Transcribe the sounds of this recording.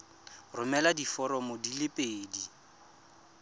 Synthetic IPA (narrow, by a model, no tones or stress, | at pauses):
rʊmɛladifɔɾɔmodilɪpʼeːdi